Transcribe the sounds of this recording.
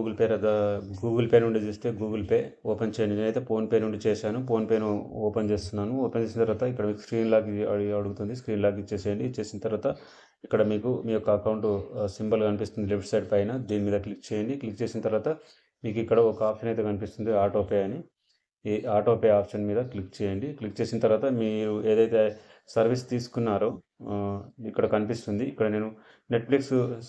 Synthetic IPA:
ɡuɡɐlpeːɾɐd̪ɐɡuːɡɐlpe̞ːnuɳɖit͡ʃuːst̪e̞ːɡuːɡɐlpe̞ːɔːpent͡ʃeːjɐɳɖiɐjt̪e̞ːpo̞ːnpe̞ːnuɳɖit͡ʃeːsaːnupo̞ːnpe̞ːnuɔːpent͡ʃe̞ːst̪unːaːnuɔːpent͡ʃe̞ːsinɐt̪ɐɾʋaːt̪ɐikːɐɽɐmiːku̥skɾiːnlaːkiɐɐɽuɡut̪und̪iskɾiːnlaːk̬it͡ʃeːseːɐɳɖit͡ʃe̞ːsinɐt̪ɐɾʋaːt̪ɐ | ikːɐɽɐmiːkumiːjɔkːɐːkɐwɳʈsimbɐlkɐnipist̪und̪ilipʈsɐjʈpɐjnɐd̪iːnimiːd̪ɐklik̚ːt͡ʃɛːjɐɳɖiklikːt͡ʃe̞ːsinɐt̪ɐɾʋaːt̪ɐ | miːkuikːɐɽɐɔkɐaːpʂɐnɐjt̪eːkɐnipist̪und̪iaːɾʈoːpeɐni | aːʈoːpeaːpʂɐnmiːd̪ɐklikt͡ʃɛːjɐɳɖiklikːt͡ʃe̞ːsinɐt̪ɐɾʋaːt̪ɐmiɾueːd̪ɐjt̪e̞ | sɐɾʋist̪iːsu̥kunːaːɾoː | ikːɐɽɐkɐnipist̪und̪iːkːɐɽɐne̞ːnu | ne̞ʈpliks

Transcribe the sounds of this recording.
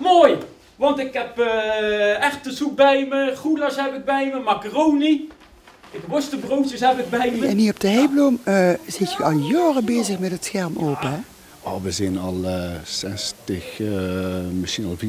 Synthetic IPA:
moːj | ʋɑntɪkɦɛpə | ɛχtəzuk̚bɛjməχulasɦɛpɪɡ̚bɛjməmakərowni | ɪkʋɔstəbrowtəsɦɛpɪɡ̚bɛjməɛniːrɔp̚dəɦejbloməzɪtjəɑlˠjɑːrəbeːzəχmɛtətsxɛɹmʔoːpəɦɛ | oʋəzɛnɑlˠəsɛstəx | məsxinɑlˠvi

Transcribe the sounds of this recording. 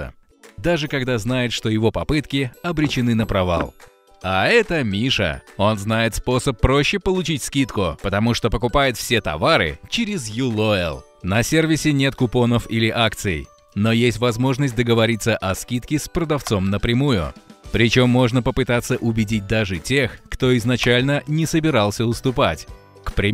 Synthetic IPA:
ə̰ | d̪aʐɨkɐɡd̪aznajɪt̪ʂt̪o̞jɪvo̞pɐpɨt̪kʲɪɐbɾʲɪt͡ɕɪnɨnəpɾɐva̰lˠ | aɛt̪əmʲiʂə̰o̞nznajɪt̪spo̞səpːɾo̞ɕːɪpəlˠʊt͡ɕitʲskʲit̪kʊpət̪ɐmuʂt̪o̞pəkʊpajʊt̪fsʲet̪ɐ̰vaɾɨ̰t͡ɕɪɾʲɪzjulˠoɪ̰lˠ | nɐsʲervʲɪsʲɪnʲe̞t̪kʊpo̞nəfilʲɪʔakt̪sɨɪ̰j | no̞jesʲtʲvɐzmo̞ʐnəsʲt̚ʲd̪əɡəvɐɾʲit̪sːəʔɐskʲit̪kʲɪspɾəd̪ɐft̪so̞mnəpɾʲɪmujʊ̰pɾʲɪt͡ɕo̞mːo̞ʐnəpəpɨt̪at̪sːəʔʊbʲɪdʲit̚ʲd̪aʐɨtʲe̞xkt̪o̞ɪznɐt͡ɕælʲnənʲɪsəbʲɪɾɑlˠsʲəʊst̪ʊpatʲ | kpɾʲɪ

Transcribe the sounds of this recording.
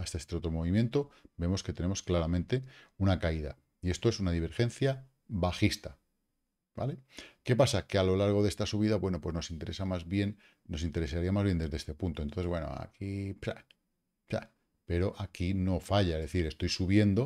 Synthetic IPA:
aest̪aest̪eo̞t̪ɾo̞mo̞β̞imje̞nt̪o̞be̞mo̞ske̞t̪e̞ne̞mo̞sklaɾamẽnt̪e̞unakaiða̰ | ie̞st̪o̞e̞sunaðiβ̞e̞ɾxe̞n̟θja | βaxist̪a | ba̰le̞ke̞pasake̞alo̞laɾɣ̞o̞ðest̪asuβ̞iðaβwe̞no̞pwe̞no̞sint̪e̞ɾʔe̞samazβjenː | o̞s̬int̪e̞ɾe̞saɾiamazβjend̪e̞zðeest̪e̞punt̪o̞nt̪onθewe̞no̰a̰kipɾa̰ | pa̰ | pe̞ɾo̞ʔakino̞faʎaezðe̞θiɾe̞st̪o̞jsuβje̞nd̪o̞

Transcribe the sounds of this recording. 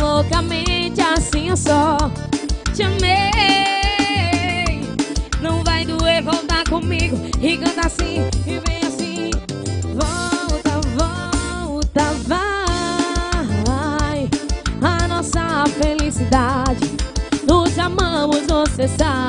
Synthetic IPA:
lokɐmẽt͡ʃɪasĩosɔ | t͡ʃɐme | nɐ̃w̃vajd̪uevowt̪aɾkõmiɡʊhikɐ̃nt̪asĩɪvẽj̃asĩ | vɔwt̪ɐvɔ | wt̪ɐva | ajanɔsɐfelisid̪ad͡ʒɪnʊzamɐ̃mʊzvosesa

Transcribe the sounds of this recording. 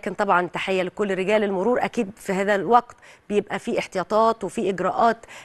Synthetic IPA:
kɪnt̪ˤɑbʕɑnt̪aħejːælkolːɾeɡæːlelmʊɾuːɾʔækiːd̪fiɦæːðælwɑqt̪bejebʔæfiːʔeħt̪ejɑːt̪ˤɑːt̪wefiːʔɪɡɾæːʔɑːt̪

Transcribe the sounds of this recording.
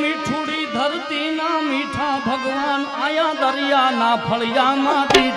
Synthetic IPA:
miʈʰũɽiːd̪ʱɐɾt̪iːnaːmiʈʰãːbʱɐɡʋaːnaːjãːd̪ɐɾjaːnaːpʰɐɭjaːmãːt̪i

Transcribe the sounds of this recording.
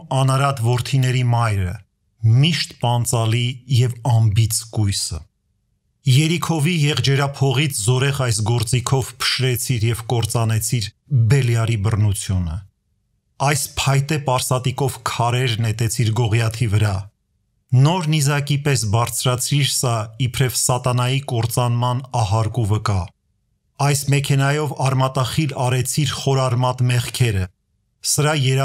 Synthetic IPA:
ɑnɑɾɑt̪vɔɾt̪ʰinɛɾimɑjɾə̰ | miʃt̪pɑnt͡sɑlijɛvɑmbit͡sʰkujsə | jɛɾikʰɔvijɛʁd͡ʒɛɾɑpʰɔʁit͡sʰzɔɾɛʁɑjsɡɔɾt͡sikʰɔvpʰə̥ʃɾɛt͡sʰiɾjɛvkɔɾt͡sɑnɛt͡sʰiɾ | bɛljɑɾibərnut͡sʰjunə̰ | ɑjspʰɑjt̪ɛpɑɾsɑt̪ikɔvkʰɑɾɛɾnɛt̪ɛt͡sʰiɾɡɔʁjɑt̪ʰivəɾɑ | nɔɾnizɑkipɛsbɑɾt͡sʰɾɑt͡sʰɾiɾsɑipʰɾɛvsɑt̪ɑnɑjikɔɾt͡sɑnmɑnɑɦɑɾkuvəkɑ | ɑjsmɛkʰɛnɑjɔvɑɾmɑt̪ɑχilɑɾɛt͡sʰiɾχɔɾɑɾmɑt̪mɛχkʰɛɾə | səɾɑjɛɾ

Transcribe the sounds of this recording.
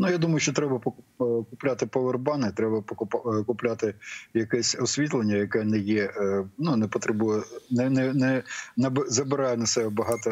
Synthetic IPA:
nujad̪umɐjʊʃt͡ʃɔt̪ɾɛbɐpkʊplʲat̪ɪpɔʋerbɑnɪt̪ɾɛbɐpɔkʊpkʊplʲat̪ɪjɐkɛsʲɔsʲʋʲit̪lˠenʲːɐjɐkɛnɛjɛnunɛpɔt̪ɾɛbujɛnɛnɛnɛnɐbzɐbɪɾɑjɛnɐsɛɛbɐɦɑt̪ɔ

